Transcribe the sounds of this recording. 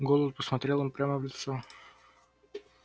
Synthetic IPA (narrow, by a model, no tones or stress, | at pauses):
ɡolˠəpəsmɐt̪ɾʲelˠəmpɾʲaməvlʲɪt̪so